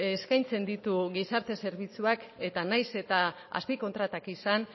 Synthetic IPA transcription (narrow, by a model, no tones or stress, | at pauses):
eskajnt͡se̞nd̪it̪uɣisaɾt̪e̞se̞ɾβit͡suake̞t̪anajse̞t̪a | a̰spiko̞nt̪ɾat̪akisan